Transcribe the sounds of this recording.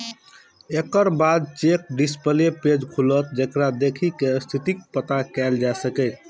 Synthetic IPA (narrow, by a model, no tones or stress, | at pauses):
ekəɾbad̪̚t͡ʃek̚ɖispəleped͡ʒkʰulət̪̚d͡ʒekɾad̪ekʰikest̪ʰit̪ik̚pət̪akɛld͡ʒasəkɛ